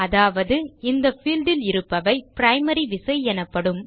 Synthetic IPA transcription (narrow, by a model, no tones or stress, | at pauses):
ɐðaːʋɐðɯɪnd̪ɐfiːlɖɪlɪɾɯpːɐʋɐɪpɾɐɪmɐɾiʋɪsɐɪɛnɐpːɐɽɯm